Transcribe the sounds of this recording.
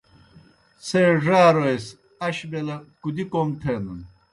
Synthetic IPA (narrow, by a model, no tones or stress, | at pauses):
seːʐaːɾoes | ɐɕbelɐkud̪ikomt̪ʰenun